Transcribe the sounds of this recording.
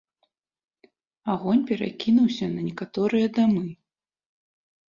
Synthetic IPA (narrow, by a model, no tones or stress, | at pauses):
aɣɔnʲpʲɛɾa̰kʲinuwsʲɐnɐnʲɛkat̪ɔɾɨjɐd̪amɨ